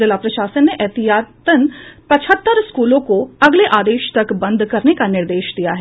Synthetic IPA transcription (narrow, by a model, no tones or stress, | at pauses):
əlapɾɐʃaːsənːeʔɛɦt̪iɦaːt̪ənpɐt͡ʃʰət̪ːəɾskuːlõkoɐɡleʔaːd̪eːʃt̪ɐkbɐ̃nd̪kɐɾnekanɪɾd̪eːʃd̪ijaɦɛ